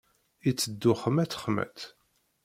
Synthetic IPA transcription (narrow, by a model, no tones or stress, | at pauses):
it͡sːəd̪ːʊχəmæt̪χmæ̰θ